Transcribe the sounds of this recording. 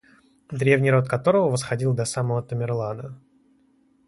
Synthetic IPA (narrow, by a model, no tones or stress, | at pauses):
d̪ɾʲe̞vnʲɪjɾo̞t̪kɐt̪o̞ɾəvəvəsxɐdʲilˠd̪ɐsaməvət̪əmʲɪrlˠanə